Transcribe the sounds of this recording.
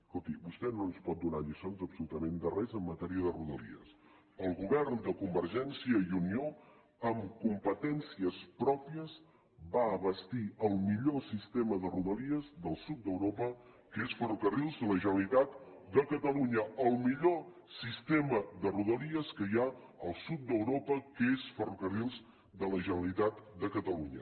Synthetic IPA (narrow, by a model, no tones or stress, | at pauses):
skolˠt̪ibust̪ɛnonspɔt̪̚d̪una̰ʎisonzəpsulut̪əmend̪ərɛzəmːət̪ɛɾiəðəruðəlḭə̰s | əlˠɣuβɛrnd̪əkumbəɾʒɛnsiəiunio | əmkumpət̪ɛnsiəspɾɔpiəz | βaəβəst̪iəlˠmiʎosist̪eməðəruðəliəzðəlˠsut̪̚d̪əwɾopəkəesfərukərilˠzðələʒənəlit̪at̪̚d̪əkət̪əluɲəəlˠmiʎo | sist̪eməðəruðəliəskəja | əlˠsut̪̚d̪əwɾopəkəesfərukərilˠz | d̪ələʒənəlit̪at̪d̪əkət̪əluɲə